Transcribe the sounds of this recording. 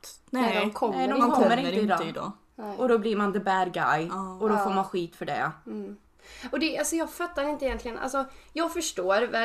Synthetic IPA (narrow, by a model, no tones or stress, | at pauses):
nɛd̪ɔkʰɔnɛd̪ɔkkɔmːəɾɪnəɾəɪd̪ɔd̪ɔ̰ | ʔɔd̪ɔbliɾmand̪əbæɾɡa̰jɔd̪ɔfoːɾmanɧiːt̪fœɖɛ̰ | ɔd̪ɛʔalsɔjɑːɡfœt̪ːaɾɪnt̪əɪjɛnt̪lɪɡənʔa̰lsɔjɑːɡfœʂʈoːɾvɛ